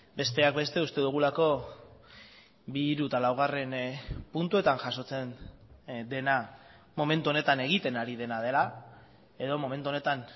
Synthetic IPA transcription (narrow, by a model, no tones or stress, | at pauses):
be̞st̪e̞akbe̞st̪e̞ust̪e̞ðuɣ̞ulako̞ | biɾut̪alawɣ̞are̞npunt̪ue̞t̪aŋʝaso̞t͡se̞n | d̪e̞na | mo̞me̞nt̪uo̞ne̞t̪ane̞ɣ̞it̪e̞naɾiðe̞nað̞e̞la | e̞ðo̞mo̞me̞nt̪uo̞ne̞t̪an